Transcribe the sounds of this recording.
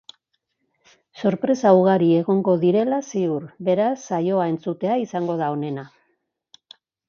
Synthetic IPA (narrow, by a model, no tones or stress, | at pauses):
so̞ɾpɾe̞sawɣaɾie̞ɣo̞ŋɡo̞ðiɾe̞lasiuɾβe̞ɾasːajo̞ae̞nt͡sut̪e̞aisaŋɡo̞ð̞ao̞ne̞na